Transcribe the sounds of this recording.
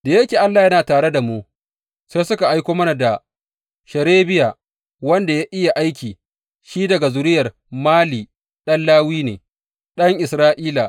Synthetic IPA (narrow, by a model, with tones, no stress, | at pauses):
d̥a˨jɐ˦kʲeː˨ʔa˦lːaː˨jɐ˦naː˨taː˨ɽe˦da˨mu˦ | seː˦sʊ˦ka˨ʔa˦jkʷoː˦mɐ˦na˨da˨ | ʃɐ˨ɾeː˦bɪ˦ja˨ | wɐ˦nda˨ja˦ʔɪ˦ja˨ʔa˦jkʲiː˨ | ʃiː˦dɐ˨ɡa˨zʊ˨ɾɪ˦jɐ˨r | maː˦liː˨ | ɗɐ˦nlaː˦wiː˦nḛː˨ | ɗɐ˦ŋʔɪ˨sɾaː˦ʔiː˦la˨